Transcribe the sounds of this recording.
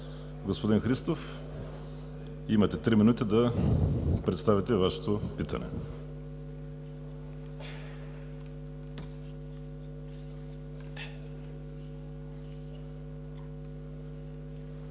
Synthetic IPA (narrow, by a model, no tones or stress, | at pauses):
ɡospod̪inxɾist̪of | imɐt̪ɛt̪ɾiminut̪id̪ɐ | pɾɛt̪st̪avit̪ɛvaʃɛ̥t̪opit̪ə̰nɛ̰